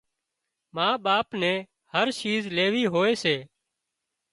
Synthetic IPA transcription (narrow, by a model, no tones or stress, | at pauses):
mãːɓaːpnẽː | həɾʃiːzleːʋiːɦoːeːseː